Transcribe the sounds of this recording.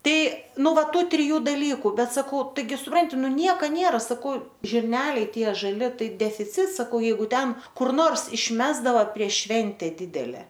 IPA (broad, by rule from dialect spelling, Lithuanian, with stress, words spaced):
ˈtɐɪ ˈnʊ ˈʋɐ ˈtuː tʲrʲɪˈjuː dɐˈlʲiːkʊ ˈbʲɛt sɐˈkɐʊ tɐɪˈɡʲɪ sʊˈprɐnʲtʲɪ nʊ ˈnʲiɛkɐ ˈnʲiɛrɐ sɐˈkɐʊ ʒʲɪrʲˈnʲæːlʲɛɪ ˈtʲiɛ ʒɐˈlʲɪ ˈtɐɪ dʲɛfʲɪˈt͡sʲɪts sɐˈkɐʊ jɛɪˈɡʊ ˈtʲɛn kʊr ˈnoːrs ɪʃʲˈmʲæːzdɐʋɐ pʲrʲiɛʃ ˈʃʲʋʲɛnʲtʲɛ ˈdʲɪdʲɛlʲɛ